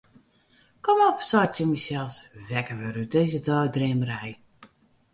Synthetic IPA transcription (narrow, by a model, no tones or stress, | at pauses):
kɔmɔpsɔjsimisɛlˠsʋɛkəʋəɾydeːzədɔwdrɪməɾɛj